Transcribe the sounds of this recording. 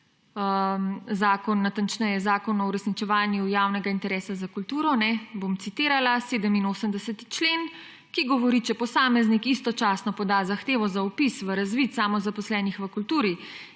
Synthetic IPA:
zaːkɔnːat̪ant͡ʃnɛjɛzaːkɔnɔuɾɛsnit͡ʃɛʋaːnjujaːwnɛɡaint̪ɛɾɛːsazakult̪uːɾɔnɛbomt̪sit̪iːɾalaseːd̪əminoːsəmd̪ɛsɛt̪i̥t͡ʃleːn | kiɡɔʋɔɾit͡ʃɛpɔsaːmɛznikist̪ɔt͡ʃaːsnɔpɔd̪azaxt̪eːʋɔzaɔpisʋəɾazʋit̪saːmɔzapɔslɛːnixʋəkult̪uːɾi

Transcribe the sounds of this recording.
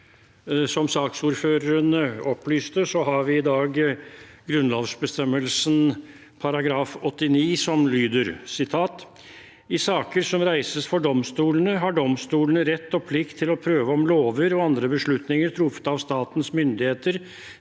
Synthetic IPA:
sɔmsɑːksuːɾføːɾəɾənəɔplyːst̪əsɔɦɑɾʋɪɪd̪ɑːɡɡɾʉnlɑːʋsbəst̪ɛmːəlsən | pʰɑɾɑɡɾɑːfɔt̪ːɪniːsɔmlyːd̪əɾsɪt̪ʰɑːt̪ | ɪsɑːkəɾsɔmɾæɪsəsfɔɖɔmst̪uːlənəɦɑɖɔmst̪uːlənəɾɛt̪ːɔpʰlɪkt̪ʰːɪlɔpʰɾøːʋəɔmloːʋəɾɔɑnd̪ɾəbəʂɭʉt̪nɪŋəɾt̪ʰɾʊfə̥t̪ɑʋst̪ɑːt̪nsmʏnd̪ɪheːt̪əɾ

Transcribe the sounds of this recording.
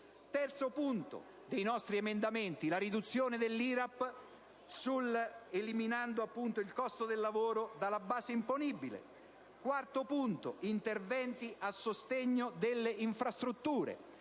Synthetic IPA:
t̪ɛrt̪sopunt̪o̰ | d̪ejnɔst̪ɾiemend̪ament̪ilaɾid̪ut̪sːjoːned̪elːiːɾapː | suleliminand̪oapːunt̪oilkɔst̪od̪elːavoːɾod̪alːabaːseimponibilḛ | kwart̪opunt̪o̰int̪ervɛnt̪iʔasːost̪eɲːod̪elːeʔiɱfɾast̪ɾut̪ːuːɾḛ

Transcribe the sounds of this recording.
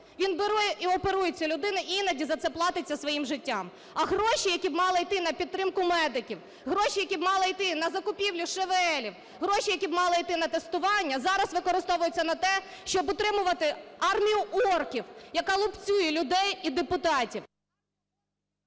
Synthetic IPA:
ʋʲinbɪɾujɛʔiɔpeɾujɛt͡sʲːɐlʲʊd̪ɪnɪʔinɐdʲizɐt̪sɛplˠɑt̪ɪt͡sʲːɐsʋɔjimʒɪtʲːam | ɐɦɾɔʃijɐkʲibmɑlˠɪijt̪ɪnɐpʲid̪̚t̪ːɾɪmkʊmɛd̪ɪkʲiw | ɦɾɔʃijɐkʲibmɑlˠɪjt̪ɪnɐzɐkʊpʲiwlʲʊʃeʋɛlʲiw | ɦɾɔʃijɐkʲibmɑlˠɪijt̪ɪnɐt̪est̪ʊʋɑnʲːɐzɑɾɐsʋɪkɔɾɪst̪ɔʋʊjʊt͡sʲːɐnɐt̪ɛ | ʃt͡ʃɔbʊt̪ɾɪmʊʋɐt̪ɪɑrmʲijʊʔɔrkʲiwjɐkɑlˠʊpt͡sʲujɛlʲʊd̪ɛjid̪epʊt̪ɑtʲiw

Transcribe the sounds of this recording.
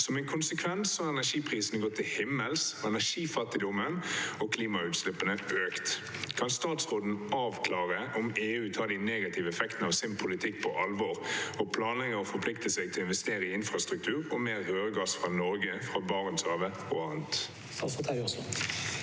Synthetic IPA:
sɔmɛnkʰʊnsəkʰʋɛnsːɔhɑɛnæʂiːpʰʁiːsən̩ɡoːt̪ʰɪlhɪmːəlsɔɛnæʂiːfɑt̪ːɪd̪ɔmənɔkʰliːmɑʉːt̪slɪpːənəʔøːkt̪kʰɑnst̪ɑːt̪sʁoːd̪n̩ɑːʋkʰlɑːʁəʔɔmeːʉːt̪ʰɑːd̪ɪneːɡɑt̪ʰɪʋəɛfɛkt̪nəɑːʋsɪnpʰʊlɪt̪ʰɪkːpʰɔʔɑlʋɔʁɔpʰlɑːnlɛɡəɔfɔɾpʰlɪk̚t̪əsɛɡ̚t̪ʰɪlɔɪnʋɛst̪eːʁəɪɪnfʁɑst̪ʁʉkt̪ʰʉːʁɔmeːʁhøːʁəɡɑsfʁɑnɔɾɡəfʁɑbɑːʁənsɑːʋə | oːɑʁnt̪ | t̪ʰs

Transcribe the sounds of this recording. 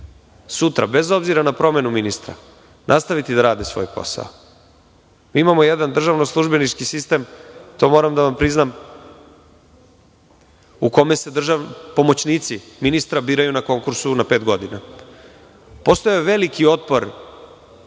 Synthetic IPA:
sut̪ɾa̰be̞zo̞bziɾanapɾo̞me̞numinist̪ɾa̰ | nʔast̪aʋit̪id̪aɾaːd̪esʋo̞̰jpo̞̰sa̰o | miːimamo̞jed̪and̪r̩ʒaʋnoslˠuʒbe̞nit͡ʃkisist̪e̞mt̪o̞mo̞ɾamd̪aʋampɾiznam | uko̞me̞se̞d̪r̩ʒaʋpo̞mo̞t͡ɕniːt̪siminist̪ɾabiːɾajunako̞ŋkuɾsunape̞ːt̪ɡo̞d̪ina | post̪ojeʋe̞likio̞t̪̚po̞ɾ

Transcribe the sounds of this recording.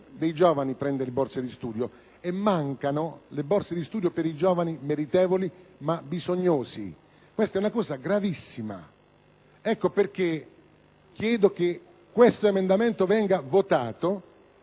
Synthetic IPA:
d̪ejd͡ʒɔːvanipɾɛnd̪elebɔrsed̪ist̪uːd̪jo | emːaŋkanolebɔrsed̪ist̪uːd̪jopeɾid͡ʒɔːvanimeɾit̪ɛːvolimabizoɲːoːzḭ | kwest̪aɛunakɔːzaɡɾavisːima̰ | ɛkːoperk̟ːe | k̟ːjɛːd̪ok̟e | kːwest̪oemend̪ament̪ovɛŋɡavot̪aːt̪o

